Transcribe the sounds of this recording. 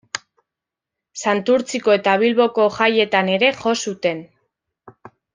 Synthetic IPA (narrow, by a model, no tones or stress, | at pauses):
sant̪uɾt͡siko̞e̞t̪aβ̞ilβo̞ko̞ʝaje̞t̪ane̞ɾe̞xo̞sut̪e̞n